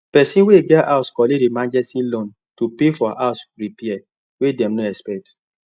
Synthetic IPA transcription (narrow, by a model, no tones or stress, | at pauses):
pɛsĩweɡɛtaʊskɔledemãnd͡ʒɛsĩlõn | tupefɔʔaʊsɹipiɛ | wedɛ̃mnoɛspɛk̚t